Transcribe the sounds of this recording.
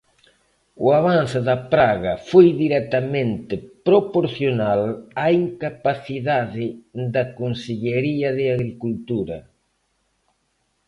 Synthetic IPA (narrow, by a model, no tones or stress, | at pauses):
ʊaβ̞anθɪðɐpɾaɣɐfojðiɾɛt̪ɐmẽnt̪ɪpɾopoɾθjonalaiŋkapaθiðaðɪd̪ɐkonseʎeɾiɐðɪaɣɾikult̪uɾɐ